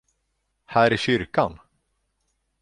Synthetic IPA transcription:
hæːɾæɕʏɾkan

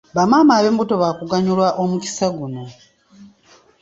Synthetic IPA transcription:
βamamaːβembutoβakuɡaɲulwaʔomuki̥saɡuno̞

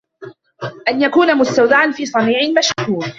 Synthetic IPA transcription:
ʔanjakuːnamʊst̪awd̪aʕanfiːsˤɑniːʕɪmaʃkuːn

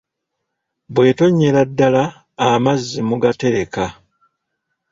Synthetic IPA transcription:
bwe̞ːto̞ɲːe̞ladːalaː | mazːimuɡate̞ɾe̞ka

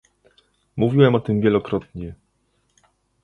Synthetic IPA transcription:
muvʲiwɛmɔt̪ɘmvʲjɛlɔkɾɔt̪ɲɛ

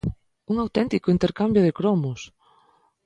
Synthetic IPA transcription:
uŋawt̪ɛnt̪ikʊint̪eɾkambjʊð̞ekɾɔmʊs

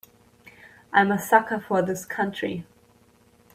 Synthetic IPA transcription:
ʔãɪ̃məsʌkəfə˞ðɪskʰʌ̃nt͡ʃɹ̥ḭ

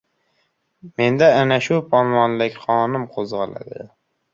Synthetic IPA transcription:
me̞nd̪aːnaʃʊpʰɒnwɒnlɪkʲχɒnɪmqʰozʁɑla̰d̪ɪ̰

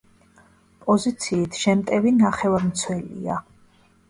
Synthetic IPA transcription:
pʼɔzit̪sʰiːt̪ʰʃɛmt̪ʼɛvinaχɛvaɾmt̪sʰwɛlḭa̰

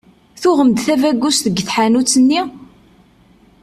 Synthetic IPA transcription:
θʊʁəmd̪θævæɡːusθəɡθħanut͡sːənːi

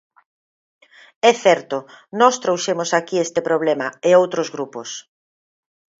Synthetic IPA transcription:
ɛθɛɾt̪ʊnɔst̪ɾowʃemʊsakiest̪ɪpɾoβ̞lemɐeowt̪ɾozɣɾupos

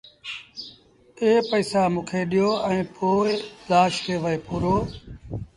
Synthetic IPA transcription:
eːpəːsaːmũːkʰeːɗɪjoːɛ̃ĩːpʰoːɪlaːʃkʰeːʋəeːpuːɾoː

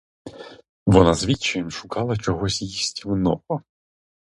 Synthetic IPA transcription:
ʋɔnɑzʋʲit͡ʃːɪmʃʊkɑlˠɐt͡ʃɔɦɔsʲjisʲtʲiwnɔpɔ

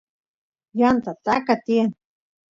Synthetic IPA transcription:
jant̪at̪akat̪ien

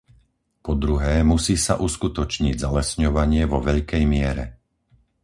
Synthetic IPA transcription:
pɔd̪ɾuɦɛːmusiːsaʔuskut̪ɔt͡ʃɲiɟzalɛsɲɔʋaɲɪɛʋɔʋɛʎkɛjmɪɛɾɛ̰

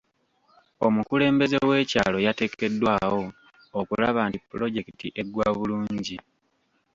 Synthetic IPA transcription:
o̞mukule̞ːmbe̞ze̞we̞ːca̰ːlo̞jate̞ke̞dːwaːwo̞ː | kulaβaːntipːlo̞ɟe̞kitḭʔe̞ɡwaːβuluːɲɟi

